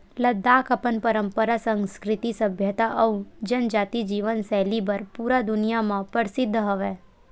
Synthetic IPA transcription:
ləd̪aːkəpənpəɾə̃mpəɾasə̃ŋskɾɪt̪isəbʱjət̪aʔəwd͡ʒənd͡ʒaːt̪id͡ʒiːʋənsɛːlibəɾpuːɾad̪ʊnijamãpəɾsɪd̪ʱːɦəʋɛː

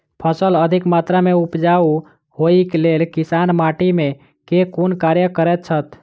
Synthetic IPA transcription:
pʰəsələd̪ʱikmat̪ɾameupd͡ʒau | ɦoikelelkisanmaʈimẽ | kekunkaɾjəkəɾɛt̪̚t͡ʃʰət̪

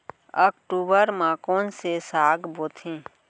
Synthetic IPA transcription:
ɔːkʈuːbəɾmãːkõnsesaːɡboːt̪ʰẽː

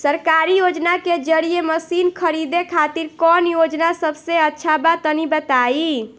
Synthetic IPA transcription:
səɾkaɾijod͡ʒnaked͡ʒəɽijeməsinkʰəɾid̪ekʰat̪iɾkɔnjod͡ʒnasəbseətːʃʰabat̪ənibət̪ai

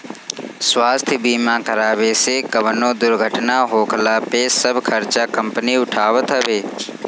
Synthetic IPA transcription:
swaːst̪ʰjəbiːmãːkɐɾaːʋeːsekɐʋənõːd̪ʊɾɡʱəʈnaɦoːkʰlaːpesɐbʱkʰɐɾt͡ʃakɐmpəniʊʈʰaːʋət̪ɦəʋeː

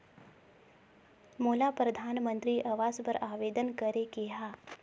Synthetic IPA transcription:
moːlapɾɐd̪ʱaːnmə̃nt̪ɾiʔɐʋaːzpəɾaːʋeːd̪ənkəɾekeɦaː

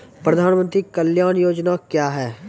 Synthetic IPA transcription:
pɾəd̪ʱaːnmə̃nt̪ɾikəljaːnjoːd͡ʒnakjaːɦɛː

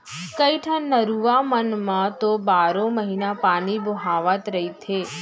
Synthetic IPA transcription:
kəiʈʰə̃nəɾuʋamənmãt̪obaːɾõməɦiːnapaːnibʱoɦaʋət̪ɾəɦit̪ʰeː

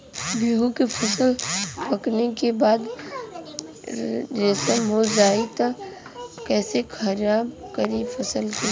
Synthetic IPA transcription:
biːɦũkifʰɐsəlpɐknekebaːd̪ | ɾɪsəmɦod͡ʒaːit̪a | kɛːsekʰɐɾjabkəɾifʰɐsəlki

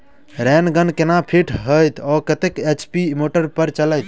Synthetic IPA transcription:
ɾɛnɡənkenapʰiʈʰɦəjt̪ʰɔkət̪eket͡ʃpimoʈəɾpəɾt͡ʃələjt̪

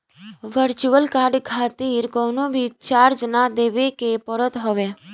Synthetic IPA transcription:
ʋəɾt͡ʃuəlkaɾɖkʰat̪iɾkɔnõbʱit͡ʃaɾd͡ʒnad̪eʋekepɔɾət̪ɦɔʋe

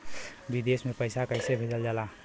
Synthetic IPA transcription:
bid̪esmepəɪsakəɪsebʱed͡ʒəld͡ʒaːla

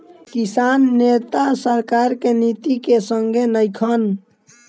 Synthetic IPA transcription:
kisanːet̪asəɾkaɾkenit̪ikesəŋɡʱenəjkʰən

